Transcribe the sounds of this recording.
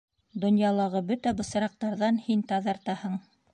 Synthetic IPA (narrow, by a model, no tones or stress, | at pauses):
d̪ŏnjɑlˠɑʁɤbɵt̪æbɤ̆sɤ̆ɾɑq̚t̪ɑɾðɑnhint̪ɑðɑɾt̪ɑhɤɴ